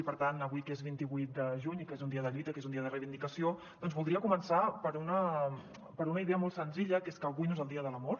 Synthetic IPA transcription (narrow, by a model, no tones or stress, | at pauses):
ipəɾt̪anəβujkezβint̪iβuit̪̚d̪əʒuɲikezund̪iəðəʎuit̪əkezuniəðərəjβind̪ikəsio | d̪ɔnzβulˠd̪ɾiəkumənsapəɾunə | pəɾunəiðeəmɔlˠt̪sənziʎəkeskəlˠɣujnoezəlˠd̪iəðələmɔɾ